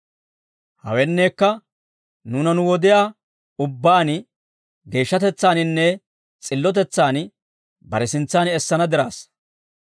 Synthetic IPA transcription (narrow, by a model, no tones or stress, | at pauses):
hɐ̰wɛnːeːkːɐ | nuːnɐnʊwɔd̪ɪjaː | ʊbːaːn | ɡe̞ːʃːɐt̪ɛt͡sːaːnɪnːɛ | t͡sʼɪlːɔt̪̬ɛt͡sːaːn | bɐɾɛsɪnt͡sːaːnɛsːɐnɐd̪ɪɾaːs